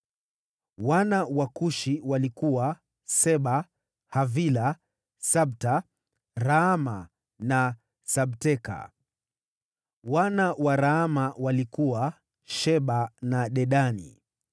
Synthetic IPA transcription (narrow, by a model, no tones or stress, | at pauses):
wanawakuʃiwalikuwa | sɛɓa | havila | saɓ̚ta | ɾaama | na | saɓtɛka̰ | wanawaɾaamawalikuwa | ʃɛɓanaɗɛɗanḭ